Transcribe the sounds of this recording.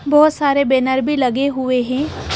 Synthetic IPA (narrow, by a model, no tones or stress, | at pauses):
bɔːʊt̪saːɾebeːnəɾbʱilɐɡeɦʊeɦɛ̃ː